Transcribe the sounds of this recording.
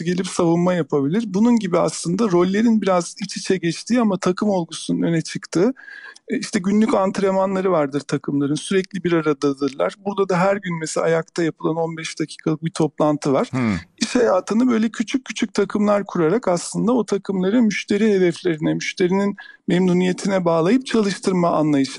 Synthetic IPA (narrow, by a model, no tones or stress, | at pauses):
ɟe̞lʲipsavunmajapʰabilʲiɾbununɟibiaslˠɯnd̪aɾo̞lʲːe̞ɾinbiɾazit͡ʃʰit͡ʃʰɛɟɛt͡ʃt̪ʰiːamat̪ʰakʰɯmo̞lˠɡusununø̞nɛt͡ʃʰɯkt̪ʰɯ | iʃt̪ʰɛɟynlʲycant̪ʰɾemanlˠaɾɯvaɾd̪ɯɾt̪ʰakʰɯmlˠaɾɯnsyɾɛclʲibiɾaɾad̪ad̪ɯɾlˠa̰ɾbuɾd̪ad̪aɦæɾɟynmɛseajak̚t̪ʰajapʰɯlˠano̞nbɛʃd̪̥acʰi̥ːkʰalˠɯk̚bit̪ʰo̞plˠant̪ʰɯvaɾ̥iʃhajaːt̪ʰɯnɯbø̞jlʲɛcʰyt͡ʃʰycʰːyt͡ʃʰyc̚ʲt̪ʰakʰɯmlˠaɾkʰuɾaɾakaslˠɯnd̪ao̞t̪ʰakʰɯmlˠaɾɯmyʃt̪ʰe̞ɾiɦe̞d̪ɛflʲe̞ɾinɛmyʃt̪ʰe̞ɾininmɛmnuːnije̞t̪ʰinɛbaːlˠajɯp̚t͡ʃʰalˠɯʃt̪ʰɯɾmaanlˠajɯʃ